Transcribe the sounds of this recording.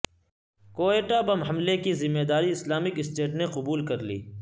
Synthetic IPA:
koːeːʈabɐmɦɐmlekizɪmːeːd̪aːɾiɪslaːmɪkɪsʈeːʈneqʊbuːlkɐɾlḭː

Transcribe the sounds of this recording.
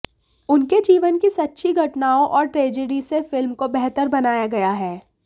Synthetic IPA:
ʊnked͡ʒiːʋənkisɐtːʃʰiɡʱɐʈnaːõʔɔːɾʈɾeːd͡ʒəɖisefɪlmkobɛɦt̪əɾbɐnaːjaɡɐjaɦɛː

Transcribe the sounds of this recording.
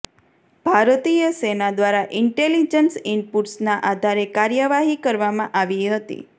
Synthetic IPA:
b̥ʱaɾt̪ijəsenad̪ʋaɾaʔɪɳʈelid͡ʒənsinpuʈsnaʔad̪ʱaɾekaɾjəʋaɦikəɾʋamãʔaʋiɦət̪ḭ

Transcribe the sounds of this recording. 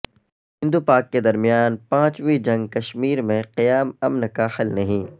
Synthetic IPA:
hɪ̃nd̪upaːkːed̪ɐɾmijaːnpãːt͡ʃʋid͡ʒɐ̃ŋɡkɐʃmiːɾmẽqijaːmɐmnkahɐlnɐɦĩː

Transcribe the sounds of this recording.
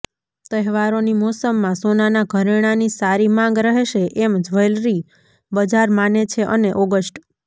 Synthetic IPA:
t̪əɦɛʋaɾonimɔsəmːãsonanaɡʱəɾeɽ̃anisaɾimãŋɡɾəɦeʃeʔemd͡ʒʋəjlɾi | bəd͡ʒaɾmanet͡ʃʰeʔəneʔɔɡəsʈ

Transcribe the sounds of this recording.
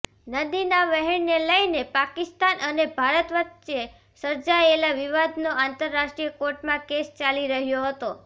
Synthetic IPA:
nəd̪inaʋəɦɛɳneləjnepakɪst̪anənebʱaɾət̪ʋətʃe | səɾd͡ʒaelaʋiʋad̪noãnt̪əɾːaʃʈɾijəkoɾʈmãkest͡ʃaliɾəɦjoɦət̪o

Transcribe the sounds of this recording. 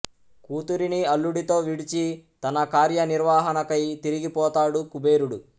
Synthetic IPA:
kuːt̪uɾiniɐlːuɽit̪o̞ːʋiɽit͡ʃit̪ɐnɐkaːɾjɐniɾʋaːɦɐnɐkɐjt̪iɾiɡipɔːt̪aːɽukubeːɾuɽu

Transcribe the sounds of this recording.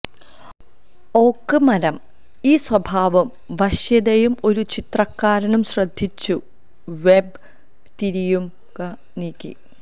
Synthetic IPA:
o̞ːkːɨmɐɾɐm | iːswɐbʱaːʋɐm | ʋɐʂjɐd̪ɐjumo̞ɾut͡ɕit̪rɐkːaːɾɐnumɕrɐd̪ʱːit͡ɕːu | ʋeb | t̪iɾijum | kɐ | niːkʲːḭ

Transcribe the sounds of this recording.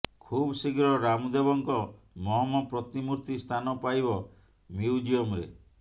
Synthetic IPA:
kʰubsiɡɾɔɾamud̪ebɔŋkɔ | mɔɦɔmɔpɾɔt̪imuɾt̪ist̪ʰanɔpajbɔ | miud͡ʒiɔmɾḛ

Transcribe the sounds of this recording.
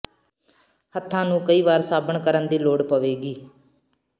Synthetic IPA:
hət̪ʰːãːnũːkəiːʋaːɾsaːbəɳkəɾənd̪iːloːɽpəʋeːɡiː

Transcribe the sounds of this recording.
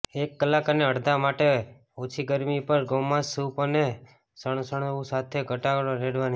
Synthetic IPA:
ekːəlːakəneəɽd̪amaʈe | ot͡ʃʰiɡəɾmipəɾɡəmãsupəne | səɳ̃səɳ̃ũsat̪ʰeɡʱəʈaɡɽoɾeɽʋani

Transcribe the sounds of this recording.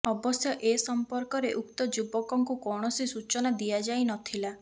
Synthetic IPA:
ɔbɔsjɔʔesɔmpɔɾkɔɾeʔukt̪ɔd͡ʒubɔkɔŋkukɔwɽ̃ɔsisut͡ʃɔnad̪iad͡ʒajnɔt̪ʰila

